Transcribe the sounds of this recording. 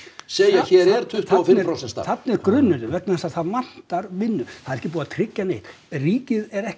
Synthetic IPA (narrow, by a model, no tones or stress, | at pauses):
seːjaçɛɾɛɾ̥t̪ʰʏht̪awfɪfɾawsɛst̪a̰θat̪nɪɛɾkɾʏnːʏɾɪvɛknaθɛsaθaðvan̥t̪aɾvɪnːʏθaðɛɾɛhcɪpuːaat̪ʰɾɪcːanejt̪ | riːcɪðɛɾɛh